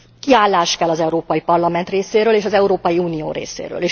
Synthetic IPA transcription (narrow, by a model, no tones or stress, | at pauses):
kiaːlːaːʃkɛlːɒzɛuɾoːpɒjipɒrlɒmɛnt̪reːseːɾøːleːʃɒzɛuɾoːpɒjiuːnio̰ːɾḛːsḛːɾø̰ːleː